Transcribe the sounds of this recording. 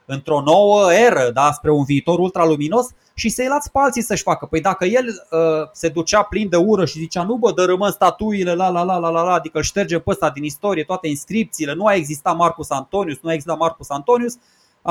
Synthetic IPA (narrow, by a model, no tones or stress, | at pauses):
ɨnt̪ɾo̞no̞wəe̞ɾəd̪aspɾe̞unviːt̪o̞ɾult̪ɾalumino̞s | ʃisejlat̪sʲpealt̪sisəʃʲfakəpəjd̪akəje̞ləse̞d̪ut͡ʃaplind̪e̞uɾəʃizit͡ʃanubəd̪əɾəmɨnst̪at̪uile̞lalalalalalaːd̪ikəɨlʃt̪e̞rd͡ʒempəst̪ad̪inist̪o̞ɾie̞t̪oat̪e̞inskɾip̚t̪siːle̞nuae̞ɡzist̪amarkusant̪o̞niusnuaeɡzist̪at̪markusant̪o̞nius